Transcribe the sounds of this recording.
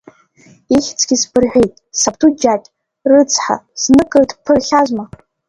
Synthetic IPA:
iχʲt͡sʰʼɡʲizbɨrʕʷᶣejtʼsaptʰud͡ʒakʲʼ | rɨt͡sʰʼħa̰znɨkʼɨrdpʰɨrχʲazma

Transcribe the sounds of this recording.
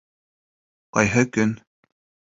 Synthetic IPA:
qɑjɦɤkɵn

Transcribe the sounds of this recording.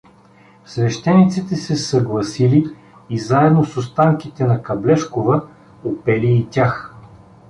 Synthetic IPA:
svɛʃt̪ɛnit̪sit̪ɛsɛsɐɡlˠɐsiliː | zaɛd̪nosost̪aŋkit̪ɛnɐkɐblɛʃkovə | opɛliːt̪ʲax

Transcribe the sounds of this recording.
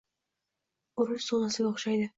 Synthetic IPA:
ʊɾʊʃsonasɪɡʲaoχʃajd̪ɪ

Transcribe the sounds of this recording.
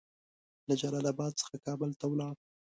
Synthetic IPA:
lad͡ʒalɑlabɑd̪̚t͡sə̥xakɑbəlt̪awlɑf

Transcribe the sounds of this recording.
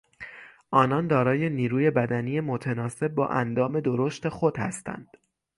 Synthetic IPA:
ʔɒːnɒnd̪ɒːɾɒːje̞niːɾuːje̞bæd̪ænije̞mot̪ʰenɒːse̞b̚ːɒ̰ːʔænd̪ɒːme̞d̪o̞ɾoʃt̪e̞xo̞d̪̥hæ̰st̪æ̰nd̪̥

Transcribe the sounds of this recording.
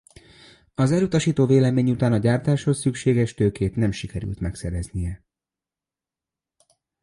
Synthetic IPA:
ɒzɛlut̪ɒʃiːt̪oːveːlɛmeːɲut̪aːnɒɟaːrt̪aːʃho̞sːykʃeːɡɛʃt̪øːkeːt̪nɛmʃikɛɾy̰lt̪mɛksɛɾɛznijɛ

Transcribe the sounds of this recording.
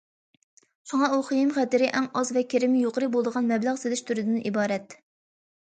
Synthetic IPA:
ʃuŋɑuχijimχɛt̪ɪɾɪʔɛŋɑzvɛkʲeɾɪmɪjoqəɾɨbolˠɨd̪əʁɑnmɛblæʁselɪʃt̪ʰyɾɪd̪ɪnʔibɑːɾɛt̪̚

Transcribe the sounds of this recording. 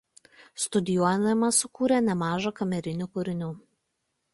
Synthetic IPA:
st̪ʊd̪ʲɪjuɔjmɐsʊkuːɾʲenʲɛmɑːʒɐkɐmʲɛɾʲɪnʲuːkʊɾʲɪnʲuː

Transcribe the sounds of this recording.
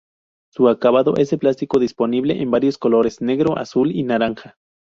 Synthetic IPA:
suakaβaðoʔeseplast̪ikoðisponiβleʔembaɾjoskoloɾesneɣɾoʔa̰sulinaɾaŋxa

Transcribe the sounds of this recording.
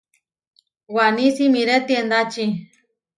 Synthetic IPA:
wanĩsimĩɾet̪iend̪at͡ʃi

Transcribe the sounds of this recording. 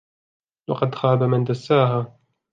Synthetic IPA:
wɑqɑd̪xaːbamɪnd̪asːaːɦaː

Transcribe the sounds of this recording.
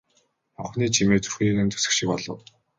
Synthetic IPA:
mɔχniːt͡ɕʰimeːt͡su̥rxʲiːnɘ̆nt̪ʰu̥sɘ̥̆kʃĭk̚pɔɮɞ̆w

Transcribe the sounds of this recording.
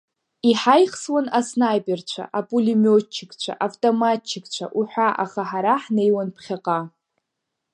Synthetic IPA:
iħajχswanasnajpʼert͡ɕʷʰa̰ʔapʼulimot͡ʃʰːɪkʼt͡ɕʷʰa̰ʔavtʼomat͡ʃʰːɪkʼt͡ɕʷʰa̰ʔuħʷᶣaʔa̰χaħaɾaħnejwanpʰχʲaqʼa

